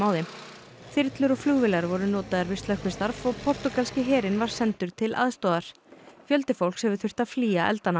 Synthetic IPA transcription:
awðɪm | θɪɾt̪lʏɾɔɣflʏɣvɪlaɾvɔɾʏnɔːt̪aðaɾvɪst̪lœxkpvɪst̪aɾvɔɣpʰɔr̥t̪ʏkalscɪɦɛːɾɪnvaɾ̥sɛnt̪ʏɾ̥t̪ʰɪlʔa̰ðst̪ɔːðaɾ̥ | fjœlt̪ɪfowlkshɛvʏ̥θʏ̥r̥t̪aðfliːaʔɛ̰lt̪ana

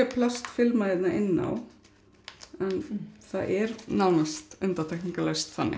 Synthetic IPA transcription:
ɛpʰlast̪fɪlmaðɪt̪naʔɪnːa̰w | ɛnθaðʔɛɾnawnst̪ʏnt̪aɾt̪ʰɛhkniŋkalest̪θanːɪ̰

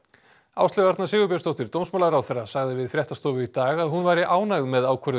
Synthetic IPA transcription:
a̰ːwst̪ɛɣaɾt̪nḁsɪːɣʏpjast̪owht̪ɪɾt̪ownsmalaɾawθɛrːasaɣðɪvɪðfɾjɛht̪ast̪ɔːvʏit̪aːɣaðɦunvaːjɾɪʔaːwnaɣðmɛðaːwkʰvœɾð

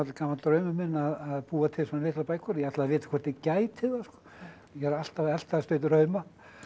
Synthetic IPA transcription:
at̪lkaːmant̪ɾœɥmʏmɪnaðaðpuːat̪ʰɪlsɔnalɪːht̪lapaːjkʰɔɾjɛat̪lavɪːt̪ḁkʰɛrt̪ɪcaːjt̪ʰɪðaskɔ̥ | jɛhaɾal̥t̪avɛl̥t̪aðst̪œːɥt̪̬ɾœɥma

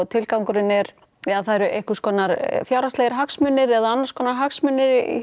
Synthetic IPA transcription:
t̪ʰɪlkawŋkʏɾɪnɛɾ̥ | θaɾʏʔejhkʏskɔːnaɾfjaːwɾast̪eːjɪɾɦaksmʏnːɪɾɛðaanːaɾ̥skʰɔːnaɾɦaksmʏnːɪɾḭ

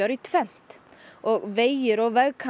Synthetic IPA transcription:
ɑɾit̪ʰvɛn̥t̪ | ɔɣvejɪɾɔɣvɛlkʰa

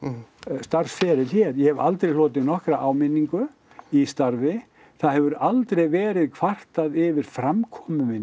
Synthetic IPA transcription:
st̪aɾ̥sfɛːɾɪðçjɛɾjɛhɛva̰lt̪ɾejlɔːt̪ɪnɔhkɾaʔaːwmɪnːiŋkʏ | ist̪aɾvɪ | θaðhɛvʏɾalt̪ɾejvɛːɾɪðkʰv̥ar̥t̪aðɪvɪɾ̥fɾamkʰɔːmʏmɪn

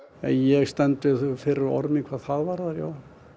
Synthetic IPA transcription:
ɛ̰njɛɣst̪ɛnt̪ʏfɪɾɪɾɔ̰ɾmɪŋkʰvaːðθaðvaɾðaɾjo̰ːw

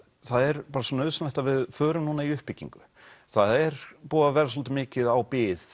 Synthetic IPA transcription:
θaðɛɾpaːɾasɔːnœðsnlɛjht̪avɪðfœːɾʏmnuːnaiʏhpːɪcːḭŋkʏ̥ | θaðɛɾ̥puːavɛːɾas̬ɔlt̪̬ɪmɪːcɪðawpɪːð

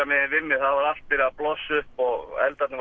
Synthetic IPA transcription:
amɪðɪvɪmːɪθaðvaɾal̥t̪pɪɾaðplɔsːʏhpɔɣɛ̰lt̪at̪nɪv

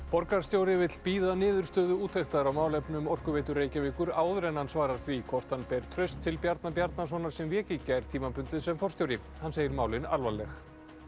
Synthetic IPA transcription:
pɔɾkaɾ̥st̪jowɾɪvɪt̪l̥piːðanɪːðʏɾ̥st̪œːðʏuːt̪ʰejxt̪aɾawmaːwlɛpnʏmɔr̥kʏveːjt̪ʏɾeːjcavɪːkʏɾaːwðʏɾɛnhansvaːɾaɾ̥θvikʰɔr̥t̪anpɛːɾ̥t̪ʰɾœɥst̪ʰːɪlpjaɾt̪napjaɾt̪nas̬ɔːnaɾ̥sɛmvjɛːcɪcajɾ̥t̪ʰiːmapʏnt̪ɪsɛmfɔr̥t̪jowɾɪ | hanːseːjɪɾmaːwlɪna̰lvalɛx

